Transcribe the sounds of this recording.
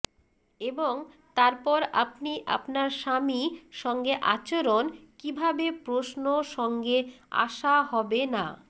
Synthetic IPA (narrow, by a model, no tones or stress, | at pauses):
eboŋ | t̪aɾpɔɾa̰pniʔa̰pnaɾʃamiʃɔŋɡeʔat͡ɕoɾonkibʱabepɾosnoʃɔŋɡea̰ʃaɦɔbena